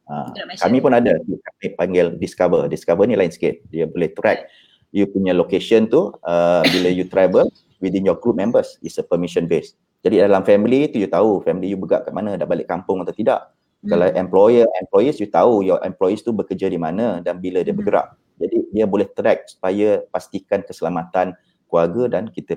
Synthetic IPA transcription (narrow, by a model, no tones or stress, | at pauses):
a̰kamĩpʊnadajukamiʔpaŋɡɪldiskavədiskavənilaɪnsə̥kɪt̪̚diəbolɛht̪ɾɛk̚ | jupuɲəlokeʃənt̪uəbiləjut̪ɾajbəl | widinjɔɡɾup̚mɛ̃mbəsisəpəmiʃənbes | d͡ʒadidalamfɛmilit̪ujut̪aufɛmilijubəɡa̰ʔkaʔmanə̃daʔbalɪʔkampʊŋat̪awt̪ida̰ʔ | kalawʔɛ̃mplɔjəɛmplɔjisjut̪aujɔʔɛ̰̃mplɔjist̪ubəkəd͡ʒədimanə̃danbilədiəbəɡəɾa̰ʔ | d͡ʒadidiəbolɛht̪ɾɛk̚su̥pajəpast̪ikankəsəlamat̪an | kuarɡədankit̪ə